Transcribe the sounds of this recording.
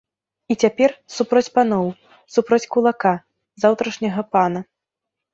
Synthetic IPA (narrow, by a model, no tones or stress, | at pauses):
it͡sʲapʲɛrsupɾɔt͡sʲpanɔw | supɾɔt͡sʲkulˠaka | zawt̪ɾɐʂnʲɐɣɐpanɐ